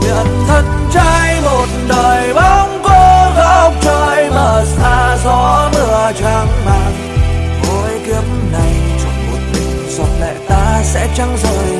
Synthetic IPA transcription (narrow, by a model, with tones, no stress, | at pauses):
ḭ˧˨ənt̪ʰə˧˦n | t͡ɕaː˧jlo˨˩nnɗəː˨˩jɓa˧˦ŋ͡mko˧ɣa˧˥˦wk͡p̚t͡ɕəː˧˩jməː˨˩saː˧zɔ˨˦lɨ˨˩ət͡ɕaː˨˦ŋɓa̰ː˧˨n | və˨˦jki˨˦˥əp̚mna˨˩jt͡ɕɔ˧˦ŋ͡mmo˨˩t̚mï˨˩ŋ̟zɔ˨˩t̚lɛ̰˧˨t̪aː˧sɛ̰˧˥t͡ɕa˧ŋzəː˨˩j